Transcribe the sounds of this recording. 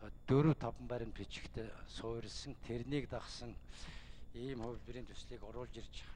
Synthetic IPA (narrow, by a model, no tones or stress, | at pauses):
t̪ɵɾuːt̪ʰɔpə̆mpæːɾʲɪ̆npʰit͡ɕɪ̥̆kt̪ʰesʊːɾʲɪ̆ɮsə̆ŋt̪ʰeɾniːkt̪aχsə̆ŋ | iːmχʊwt̪iɾiːnt̪ʰu̥sɮiːkʊɾʊːɮt͡ɕirt͡ɕɪ̥